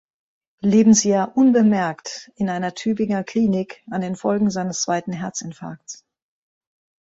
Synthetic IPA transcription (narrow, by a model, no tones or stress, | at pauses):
leːbm̩sjaːɐʔʊnbəmɛɐktɪnʔaɪnɐtʰyːbɪŋɐkʰl̥iːnɪkandeːnfɔlɡŋ̩zaɪnəst͡sv̥aɪtn̩ɦɛɐt͡sɪnfa̰ːk̚ts